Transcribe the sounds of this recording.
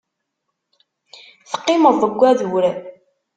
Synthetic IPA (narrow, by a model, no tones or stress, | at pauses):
θə̥qːɪməðˤəɡʷːæðuwɾ